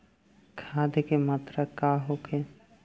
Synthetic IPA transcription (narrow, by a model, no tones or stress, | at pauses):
kʰaːd̪kemaːt̪ɾəkaːɦokʰe